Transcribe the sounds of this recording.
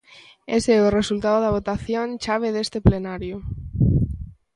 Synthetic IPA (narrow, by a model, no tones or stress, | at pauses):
eseoresult̪aðoðaβ̞ot̪aθjont͡ʃaβ̞eðest̪eplenaɾjo